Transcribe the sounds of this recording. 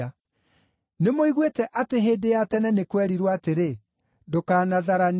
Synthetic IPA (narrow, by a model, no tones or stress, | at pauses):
a | nemoiɣwetɛʔateɦeːdejatɛnɛnekwɛɾiɾwaːteɾe | dokaːnaðaɾan